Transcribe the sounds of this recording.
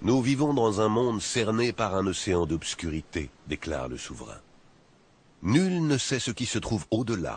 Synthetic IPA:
nuvivɔ̃d̪ɑ̃zɛ̃mɔ̃d̪sɛʁnepaʁɛ̃nɔseɑ̃d̪ɔpskʲyʁit̪ed̪ekla̰ʁlə̰suvʁɛ̰̃ | nylnəsɛsəkʲisət̪χuvod̪əla̰

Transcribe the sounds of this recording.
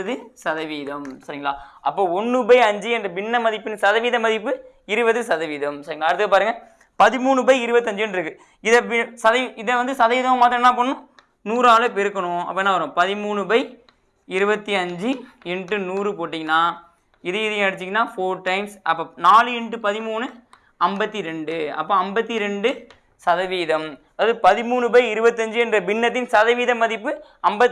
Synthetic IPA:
ðɯsɐðɐʋiːðɐmsɐɾɪŋɡɐɭaːɐpːoːɔnːɯbɐɪɐɲd͡ʒɯɛndrɐbɪnːɐmɐðɪpːɯnɯsɐðɐʋiːðɐmːɐðɪpːɯ | ɪɾɯbɐðɯsɐðɐʋiːðɐmsɐɾɪŋɡɐlaːɐɾɯt̪ːɯkɐpaːɾɯŋɡɐ | pɐðɪmuːɳɯbɐɪɪɾɯbɐt̪ːɯɐɲd͡ʒɯnɖɪɾɯkːɯ | ɪðɐbɪsɐðɐɪðɐʋɐnd̪ɯsɐðɐʋiːðɐʋɐ̃maːt̪ːɾɐ̃nːãːp̬ɐɳːʊ̃ | nuːɾaːlɯpɛɾɯkːɐɳʊ̃ɐ̰pːoːɛnːaːʋɐɾõpɐðɪmuːɳɯbɐɪ | ɪɾɯbɐt̪ːiɐɲd͡ʒɯɛɳʈɯnuːɾɯpoːʈːiŋɡɐnːaː | ɪðɯɪðɐj̃ɛɽɯt͡ʃːɪŋɡɐnːaːfoːɾʈːɐɪmsɐpːoːnaːlɯɛɳʈːɯpɐðɪmuːnɯ | ɐmbɐt̪ːiɾɛɳɖɯɐ̰pːõːɐmbɐt̪ːiɾɛɳɖɯ | sɐðɐʋiːðɐmɐðaːðɯpɐðɪmuːnɯbɐɪɪɾɯbɐt̪ːɯɐɲd͡ʒɯɛndrɐbɪnːɐt̪ːɪnsɐðɐʋiːðɐmːɐðɪpːɯɐmbɐt̪ː

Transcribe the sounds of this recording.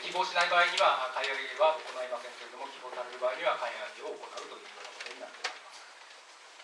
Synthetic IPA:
kʲibo̞ːɕinaibaːiɲ̟iβakaihaɾijoɾʲiβaoko̞naimakẽnt̪oɾɯd̪o̞mo̞kʲibo̞ːt̪aɾe̞ɾɯ̟baːiɲ̟iβakaihakʲio̞ːko̞naɯ̟t̪o̞jɯ̟ːjonakot̪o̞ɲ̟inat̪ːeaɾʲimasɨ̥

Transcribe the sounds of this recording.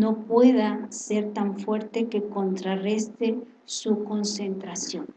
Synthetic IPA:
no̞pweðaseɾt̪aɱfwe̞ɾt̪eke̞ko̞nt̪ɾarest̪e | suko̞nsent̪ɾasjon

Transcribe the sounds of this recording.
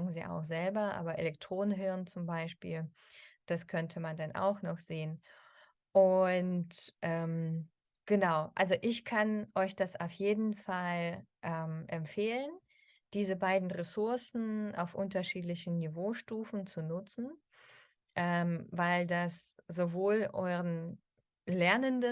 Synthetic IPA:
ɡŋ̩zḭːʔa̰ʊxz̥ɛlbɐʔa̰ːbɐʔḛlɛk̚tʁ̥oːnənɦɪɐnt͡sʊmbaɪʃpḭːl | d̥askʰœntʰəmandanʔa̰ʊxnɔχz̥eːən | ʔʊntʔɛm | ɡ̥ənaʊʔa̰lzoʔɪçkʰanʔɔʏçd̥asa̰ʊfjeːdn̩falʔɛːmʔɛmfeːlən | d̥iːzəbaɪdn̩ʁɛsʊɐsn̩ʔa̰ʊfʔʊntɐʃiːtlɪçn̩nivoːʃtuːfn̩t͡sunʊt͡sn̩ | ʔɛmvaɪldasz̥ovoːlʔɔ̰ʏʁən | lɛɐnəndə

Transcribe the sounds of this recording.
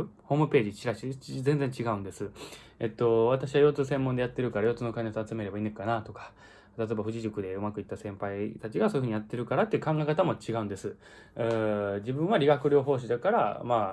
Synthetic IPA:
ho̞ːmɯ̟pe̞ːʑit͡ɕiɾaɕizẽ̞nd͡zeɲt͡ɕiɡaɯ̟̃nd̪e̞sɨ | et̪ːo̞β̞at̪aɕiβajo̞ːt͡sɨːs̬ẽ̞mːõ̞nd̪eat̪ːe̞ɾɯ̟kaɾajo̞ːt͡sɨːnokainet͡sat͡sɨme̞ɾe̞baiːnekkːanat̪o̞kḁ | t̪at̪oe̞baɸɯ̟ʑiʑɨkɯ̟d̪e̞ɯ̟makɯ̟it̪ːasẽmpait̪at͡ɕiɡasoj̟ɯ̟ɲijat̪ːe̞ɾɯ̟kaɾat̪ːeiɯ̟kãŋɡaikat̪amo̞t͡ɕiɡaɯ̟̃nd̪e̞sɨ | d͡ʑibɯ̟̃ɰ̃βaɾʲiɡakɯ̟ɾʲjo̞ːɦo̞ːɕ̬id̪akaɾa̰maː

